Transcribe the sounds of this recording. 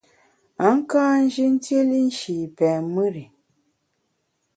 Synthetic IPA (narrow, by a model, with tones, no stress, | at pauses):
a˨˦ŋ̩˦kãː˦n̩˦d͡ʒi˦n̩˦te˦li˦n̩˦ʃi˨pɛː˨mɨ˦ɾi˨